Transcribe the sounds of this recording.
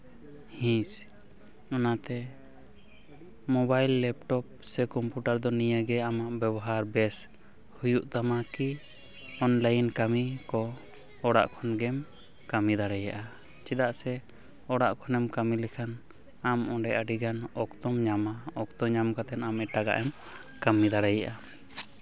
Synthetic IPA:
hĩs | ɔnat̪ɛ | mɔbajlːɛp̚ʈɔp̚sɛkɔmpjuʈaɾd̪ɔnijəɡɛamaʔbɛbɔɦaɾbɛs | hujuʔt̪amaki | ɔnlajinkamikɔ | ɔɽa̰ʔkʰɔnɡɛm | kamid̪aɽajaʔa | t͡ʃid̪aʔsɛ | ɔɽaʔkʰɔnɛmkamilɛkʰan | amɔ̃ɖɛʔaɖiɡanɔkt̪ɔmɲamaɔkt̪ɔmɲamkat̪ɛnamɛʈaɡa̰ʔɛm | kamid̪aɽajaʔa

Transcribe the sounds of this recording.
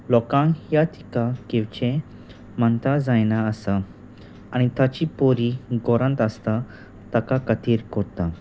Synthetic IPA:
lɔkãŋjat̪ʰi̥kakewt͡ɕẽ | mənt̪ad͡zajnaəsa | anit̪at͡ɕipoɾiɡɔɾə̃nt̪əst̪a | t̪akakət̪iːɾkɔɾt̪a

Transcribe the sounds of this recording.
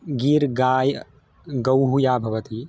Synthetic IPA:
ɡiːɾɡaːj | ɡɐwɦujaːbʱɐʋɐt̪i

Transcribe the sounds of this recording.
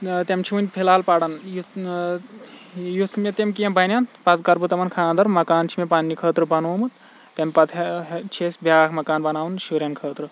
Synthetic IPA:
t̪emt͡ʃʰiunʲpʰilaːlpaɽɐnju | jut̪ʰmet̪emkijɐmbɐnʲanpɐt͡skɐɾbut̪ɐmɐnkʰaːnd̪ɐɾmɐkaːnt͡ʃʰimepaːnːikʰəːt̪ɾɨbɐnoːmut̪ | t̪emʲpɐt̪ʰt͡ʃʰesbʱʲjaːkmɐkaːnbɐnaːwunʃuɾʲjɐnkʰəːt̪ɾɨ

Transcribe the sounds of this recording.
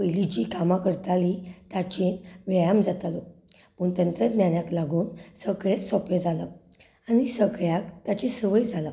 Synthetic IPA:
pəjlit͡ɕikamãkəɾt̪alit̪at͡ɕenʋjajamd͡zat̪alo | pənt̪ənt̪ɾəd̪njanjaklaɡuːnsəɡɭet͡ssɔpjed͡zala | añisəɡɭjakt̪at͡ɕesəʋəjd͡zʱala

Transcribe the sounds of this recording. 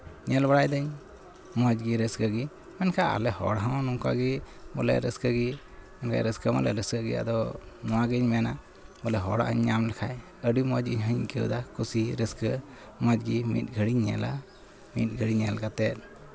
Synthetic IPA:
ɲɛlbaɽajd̪əɲ | mɔd͡ʒɡiɾəskəɡi | mɛnkʰaa̰lɛhɔ̰ɽɦãw̃nuŋka̰ɡibɔlɛ̰ɾəskəɡi | mɛnkʰa̰jɾəskəmɔ̰lɛ̰ɾəskəɡḭa̰d̪ɔnɔwaɡəɲmɛna | bɔlɛɦɔɽa̰ʔə̰ɲːamlɛkʰaj | əɖimɔd͡ʒiɲɦəɲɡəwd̪akusiɾəskə | mɔd͡ʒɡimḭt̪̚ɡʱəɽiɲɲɛ̰la | mḭt̪̚ˀɡʱəɽiɲɛlɡat̪ɛt̪̚

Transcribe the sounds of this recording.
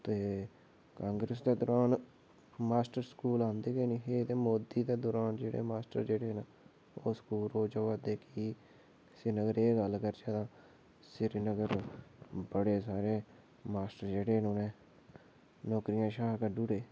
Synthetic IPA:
t̪eː | kãːŋɡɾəs̬d̪eːd̪ɔːɾaːn | maːsʈəɾskuːlãːnd̪eːɡeːniːɦeːt̪eːmoːd̪iːd̪eːd̪oːɾaːnd͡ʒeːɽḛːmaːsʈə̰ɾd͡ʒeːɽeːna | oːskuːloːd͡ʒəʋaːd̪eːkiː | sɪnəɡəɾeːɡəlkəɾd͡ʒeːt̪ãː | sɪɾnəɡəɾ | bəɽeːsaːɾeː | maːsʈəɾd͡ʒeːɽeːnõːnẽː | nɔːkɾijãːʃaːkəɖuːɾeː

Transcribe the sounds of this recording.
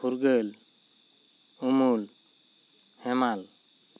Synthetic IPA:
uɾɡəl | umul | hɛmal

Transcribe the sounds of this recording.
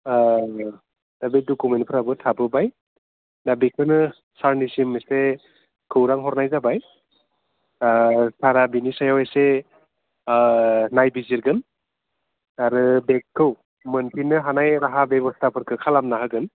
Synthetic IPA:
d̥abidɔkumenpʰɯɾabɯtʰabɯbaj | nabikʰɯnɯ | saɾnisimese | kʰɯwɾaŋɦɔɾnajzabaj | sʰaɾabinisajawese | najbiziɾɡɯn | aɾɯbek̚kʰːɯw | mɯnpʰinɯɦanajɾaɦabjebɔstʰapʰɯɾkʰɯkʰalamnaɦɯɡɯn

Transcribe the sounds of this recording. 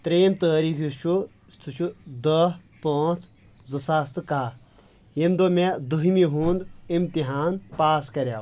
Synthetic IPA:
t̪ɾeːmt̪əːɾiːkʰist͡ʃʰu | st̪ʰut͡ʃʰud̪ə | paːt͡s | zɨsaːst̪ɨkaː | jemd̪omẽd̪uɦimiɦuːnd̪imt̪iɦaːnpaːskɐɾʲja̰ː

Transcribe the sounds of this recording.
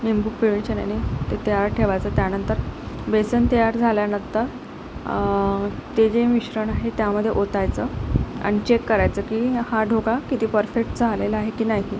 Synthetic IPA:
ʋimbuk̚piʋit͡ɕəna̰ñit̪et̪əjaɾʈʰeʋajt͡sət̪janənt̪əɾbesənt̪əjaɾd͡zʱaljanənt̪əɾ | t̪ed͡ʑeʋiɕɾəɳaɦet̪jaməd̪ʱːjeʔot̪ajt͡səã̰it͡ɕekːəɾajt͡səːkihaɖʱoɡakit̪iːpəɾfek̚ʈd͡zʱaleləaɦekiːnaɦi

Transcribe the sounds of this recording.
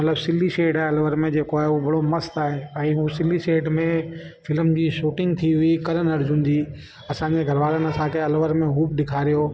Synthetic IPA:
mɐt̪ləbsɪlːiseːɖaːɦɪɐlʋəɾmẽd͡ʑeːkoaːɦeubʱɐɽomɐst̪aːɦeɛ̃ːɦusɪlːiseːɖmẽ | fɪləmd͡ʑiːʃuːʈɪ̃ŋɡ̚t̪ʰiɦʊikɐɾənɐɾd͡ʑũːn̆d̪iː | ɐsãːɲd͡ʑeɡʱɐɾʋaːlənɐsãkʰeɐlʋəɾmẽɦuːpɗɪkʰaːɾijoː

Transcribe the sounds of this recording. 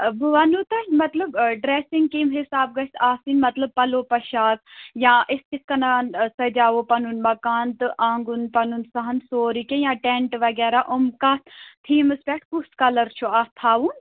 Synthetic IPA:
buʋɐnut̪ɐmɐt̪ləbɖɾeːsɪ̃ŋɡ̚kiːmɦɪsaːb̚ɡɐsaːsinmɐt̪lɐb̚pɐloːpɐʃaːt̪jãːʔɪskiskɐnansɐd͡ʒaːʋopɐnunmɐkaːnt̪ɨʔãːŋɡunpɐnunsɐɦɐnsoːɾikejãːʈeɳʈʋɐɡɛːɾaʔʊmkaːt̪t̪ʰiːmɨspʲɛːʈʰkuskɐlɐɾt͡ʃʰuaːst̪ʰaːʋun

